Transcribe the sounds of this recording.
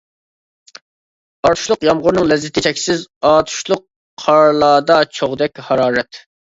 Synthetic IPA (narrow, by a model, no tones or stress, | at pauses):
ɑɾt̪ʰu̥ʃlˠʊqjɑmʁʊɾnɨŋlɛzːɪt̪ʰɪt͡ʃʰɛkʲsɪzɑːt̪ʰu̥ʃlˠʊqːʰ | ɑɾlˠɑːd̪ɑt͡ʃʰoʁd̪ɛkʲhɑɾɑːɾɛt̪